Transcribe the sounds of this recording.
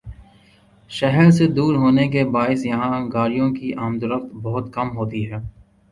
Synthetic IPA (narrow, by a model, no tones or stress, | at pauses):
ʃɛɦəɾsed̪uːɾɦoːnekebaːɪsjɐɦãɡaːɾijõkiʔaːmd̪ʊɾəft̪bɐɦʊt̪kɐmɦoːt̪iɦɛː